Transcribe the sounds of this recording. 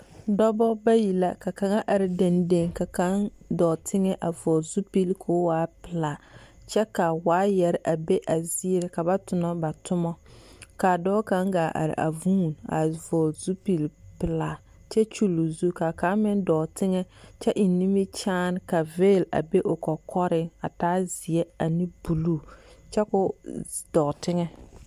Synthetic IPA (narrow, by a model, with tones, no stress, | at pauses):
dɔ˦bɔ˦ba˦ji˨la˦ka˨ka˨ŋa˦ʔa˨ɾɪ˨de˨nde˦˨ŋka˨ka˦n | dɔː˨tʰɪ˦ŋɛ˦ʔa˨vɔː˨lzu˦pi˦lkʰoː˦waː˨˦pɪ˨la˨ | t͡ʃɛ˦ka˨waː˦jɛ˨ɾɪ˦ʔa˨be˦ʔa˨zi˦ɾɪ˨ka˨ba˦tʊ˨nɔ˦ba˨tʰʊ˦mɔ˦ka˨dɔː˦ka˦ŋɡaː˨ʔa̰˨ɾɪ̰˨ʔa̰˨vũː˦˨na̰˨vɔ˨lzu˦pi˨lpɪ˨la˨ | t͡ʃɛ˦t͡ʃu˦lu˨zu˦ka˨ka˦mɪ˦ndɔ˨tɪ˦ŋɛ˦t͡ʃɛ˦ʔɪ˨ni˦mi˦t͡ʃaː˦n˦ka˨veː˦˨la̰˨be˦ʔʊ˨kɔ˨kʰɔ˦ɾɪ˦a˨taː˦zɪ˨ɛ˦a˨ni˦bu˨lu˦t͡ʃɛ˦kʊ˦d̥ɔ˨tɪ˦ŋɛ˦